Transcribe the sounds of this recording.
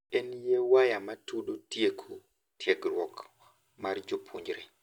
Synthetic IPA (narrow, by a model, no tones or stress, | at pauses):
enjewajamatudotjekʰo | tjeɡɾwɔk | mard͡ʒopʰuɲd͡ʒɾe